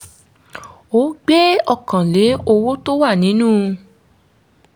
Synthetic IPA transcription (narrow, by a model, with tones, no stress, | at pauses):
o˨˦ɡ͡be˦ɔ˦˨kã˨le˨˦o˧wo˦to˦wa˦˨nĩ˨˦nũː˦˨